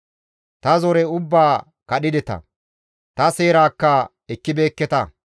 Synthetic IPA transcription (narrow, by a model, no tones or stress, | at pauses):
t̪ɐzɔɾɛʊbːaː | kɐɗɪd̪ɛt̪ɐ̰ | t̪ɐse̞ːɾaːkːɐ | ɛkːɪbe̞ːkːɛt̪ɐ